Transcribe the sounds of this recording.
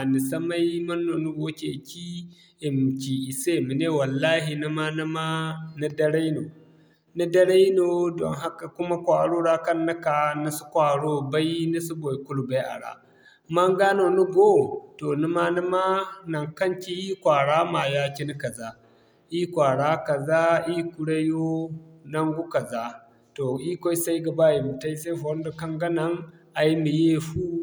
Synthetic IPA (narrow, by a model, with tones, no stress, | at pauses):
a˨ni˨sɐ˦ma˦jmɐ˦nːo˨nu˦ɡo˦kʲe˨kʲi˦ | e˨m˨kʲi˨ʔi˨se˦mi˨ne˦wɐ˨lːaː˦ɦi˨ni˦ma˦na˦ma˦na˦dɐ˦ɽa˦jno˨ | na˦dɐ˦ɽa˦i˦no˨dɔ̰˨ŋɦa˦ka˨kʊ˦ma˦kʷa˨ɽo˦ɽa˦kɐ˦nːa˦ka˨na˦su˦kʷa˨ɽo˦ba˦ji˦ni˦su˦bo˨i˨ku˦lu˨ba˦ʔa̰˨ɽa̰˦ | mɐ˦ŋɡaː˦no˨nu˦ɡo˦to˨nu˦ma˦ni˦ma˦na˨ŋkɐ˦ŋkʲi˦ʔiː˦kʷaː˨ɽaː˦ma˨ja˦kʲi˦ni˦ka˨za˦ | ʔiː˦kʷaː˨ɽaː˦ka˨zaː˦ʔiː˦ku˨ɽe˦jo˦nɐ˦ŋɡu˦ka˨za˦ | to˨ʔi˦kʷa˦i˦sa˦jɡa˨ba˦˨ji˨mu˨ta˦ji˦sa˦ɸwɐ˦nda˨kɐ˦ŋɡɐ˦nɐ˦ŋ | ʔa˨ji˦mi˨je˦ɸu˦